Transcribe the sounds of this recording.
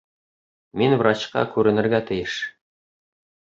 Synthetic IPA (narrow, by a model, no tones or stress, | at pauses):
minvrɑt͡ɕqɑ̰kʉɾɘ̆nɘ̆ɾɡæt̪ɘ̆jɘʃ